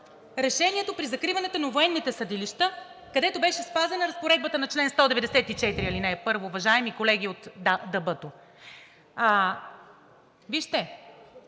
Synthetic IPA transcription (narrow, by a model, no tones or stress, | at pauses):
ɾɛʃɛniɛt̪opɾizɐkɾivɐnɛt̪onɐvoɛnːit̪ɛsɐd̪iliʃt̪ə | kɐd̪ɛt̪obɛʃɛspazɛnɐɾɐspoɾɛd̪̚bət̪ənɐt͡ʃlɛnst̪ɔd̪ɛvɛd̪ɛsɛt̪it͡ʃɛt̪ɾiɐlinɛjɐpɤɾvoːvɐʒaɛmikolɛɡ̟iot̪d̪ɐbɤt̪o | viʃt̪ɛ